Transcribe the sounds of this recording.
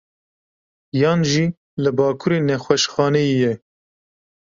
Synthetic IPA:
jɑːnʒiː | lɨbɑːkʰuɾeːnɛxwɛʃxɑːnɛjijɛ

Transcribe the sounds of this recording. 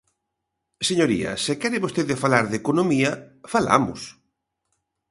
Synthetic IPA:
seɲoɾḭɐ̰sekɛɾɪβost̪eðɪfalaɾðekonomiɐfala̰mʊ̰s

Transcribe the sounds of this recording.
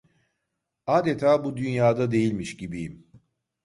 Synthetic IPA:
aːd̪et̪ʰaːbud̪ynjaːd̪ad̪e̞jilʲmiʃɟibijim

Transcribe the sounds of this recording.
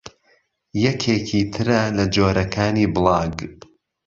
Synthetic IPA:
jɛkʰeːcʰit̪ʰɨɾɐlɐd͡ʒoːɾɐkʰaːniːbɨlˠɑːɡ

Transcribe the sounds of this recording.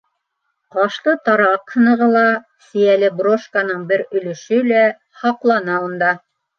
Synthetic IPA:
qɑʃlˠɤt̪ɑɾɑqhɤ̆nɤ̆ʁɤlˠɑ | sɘ̆jælɘbroʃkanɤɴbɘɾɵ̆lɵ̆ʃɵlæ | hɑqlˠɑnɑund̪ɑ

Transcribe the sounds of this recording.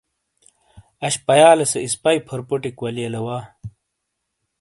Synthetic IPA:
ɐɕpɐjaːlɐseispɐjpʰɐɾpoʈikwɐlijɐlɐwaː

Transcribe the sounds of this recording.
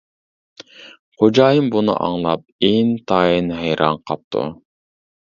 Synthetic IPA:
qod͡ʒɑjɯmbunɨ̰ʔɑ̰ɴlˠɑp̚ent̪ʰɑjinɦejɾʔɑɴqʰɑp̚t̪ʰṵ

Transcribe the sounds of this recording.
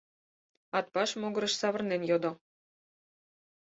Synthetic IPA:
ɑt̪̚pɑʃmoɣɤ̆ɾə̆ʃsɑβə̆rnenjod̪o

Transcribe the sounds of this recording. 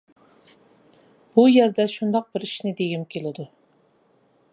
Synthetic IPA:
b̥ujɛɾd̪ɛʃund̪ɑq̚bɪɾiʃnɪd̪eɡʲimkʲʰelɪd̪u

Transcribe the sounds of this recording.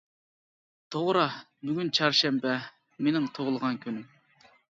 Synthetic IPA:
t̪ʰoʁɾɑ | byɡʲynt͡ʃʰɑɾʃɛmpɛ | menɪŋt̪ʰoʁlˠəʁɑnkʲʰyny

